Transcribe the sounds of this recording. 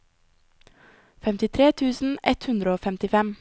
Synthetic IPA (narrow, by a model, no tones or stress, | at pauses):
fɛmt̪ɪt̪ʰɾeːt̪ʰʉːsn̩ɛt̪hʉnd̪ɾəoːfɛmt̪ɪfɛm